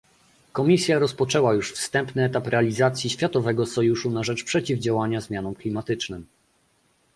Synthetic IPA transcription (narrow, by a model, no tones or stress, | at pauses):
kɔmʲisʲjaɾɔspɔt͡ʂɛwajuʂfst̪ɛmpnɘɛt̪apɾɛalʲizat̪sʲjiɕfʲjat̪ɔvɛɡɔsɔjuʂunaʐɛt͡ʂpʂɛt͡ɕivd͡ʑawaɲazmʲjanɔmklʲimat̪ɘt͡ʂnɘm